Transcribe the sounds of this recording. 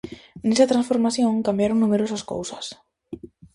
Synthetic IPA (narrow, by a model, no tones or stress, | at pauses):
nesɐt̪ɾãnsfoɾmaθjõŋkambjaɾoŋnumeɾosɐsko̰wsɐ̥s